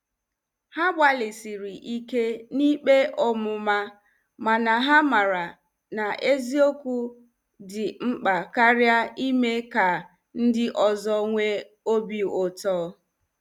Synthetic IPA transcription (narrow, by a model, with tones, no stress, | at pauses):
ha˦ɡ͡ba˨lɪ˨si˨ɾi˨ʔi˦ke˦ni˦k͡pe˦ʔɔ˦mʊ˨ma˦ | ma˨na˨ɦa˦ma˨ɾa˨ | na˨ʔe˦zi˦o˦ku˦ | dɪ˨ŋ͡m̩˦k͡pa˨ka˦ɾja˦i˦me˦ka˨ | n̩˦dɪ˦ʔɔ˨zɔ˦ŋʷe˦ | o˦bi˨o˨tɔː˦